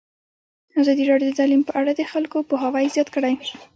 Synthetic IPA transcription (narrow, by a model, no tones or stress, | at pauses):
azɑd̪iɾɑɖjod̪ət̪alimpəʔaɽad̪əxalkopoɦawajzjɑt̪kəɽaj